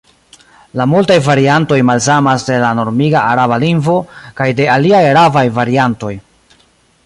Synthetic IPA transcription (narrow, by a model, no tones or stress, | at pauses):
lamultajvaɾianto̞jmalsamasde̞lano̞ɾmiɡaʔaɾabalinvo̞kajde̞aliajɾavajvaɾianto̞j